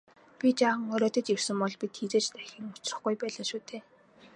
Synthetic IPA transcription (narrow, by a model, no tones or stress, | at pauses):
pʲit͡ɕaːʁə̆ŋɔɾɔːt̪ɞ̆t͡ɕir̥sɘ̆mpɔɮpit̪xit͡seːt͡ɕt̪æxʲĭŋʊt͡ɕ̆rə̆χɡujpæːɮaːʃuːt̪ʰeː